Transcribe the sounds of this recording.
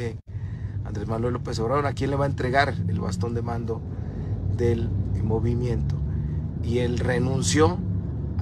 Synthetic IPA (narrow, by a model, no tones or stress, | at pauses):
e | a̰nd̪ɾezmanwelopesoβɾaðoɾakje̞nle̞βae̞nt̪ɾe̞ɣaɾḛlβa̰st̪o̞nd̪emãnd̪o | ðe̞lmo̞βimje̞nt̪oie̞lre̞nũnsjo̞